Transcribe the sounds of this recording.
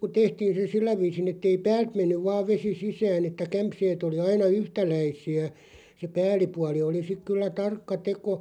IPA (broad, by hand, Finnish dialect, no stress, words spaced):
ku tehtiːn̞ se silːæ ʋiːsin etːei pæːlt menːyʋ ʋɑːʋ ʋesi sisæːn etːæ kæmpseːt oli ɑinɑ yhtælæisiæ se pæːlˑipuɑli oli sik kylːæ tɑrkːɑ teko